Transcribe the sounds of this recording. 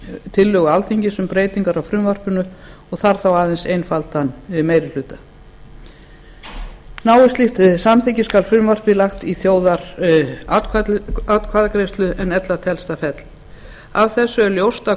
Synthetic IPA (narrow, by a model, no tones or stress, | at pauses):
t̪ʰɪlːʏɣʏalθiɲcɪsʏmpɾeːjt̪iŋkaɾawfɾʏmvar̥pʏnʏɔɣθaɾ̥θawaːðensejnfalt̪anmeːjɾɪl̥ʏːt̪a | naːwʏst̪lixt̪samθiɲcɪskalfɾʏmvar̥pɪlaxt̪iθjoːwðaɾat̪kʰaat̪kʰaːðakɾejst̪lʏʔɛnɛt̪lat̪ʰɛlst̪afɛt̪l | avθɛsːʏɛɾljowst̪a